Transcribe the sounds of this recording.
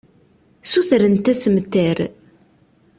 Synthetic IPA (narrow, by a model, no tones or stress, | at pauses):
suθɾənt̪æsəmt̪ːæɾ